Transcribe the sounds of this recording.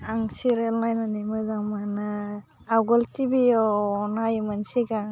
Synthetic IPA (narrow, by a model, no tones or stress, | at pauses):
aŋsiɾelnajnanimɯzaŋmana | awɡɔltibiɔɔnajmansiɡa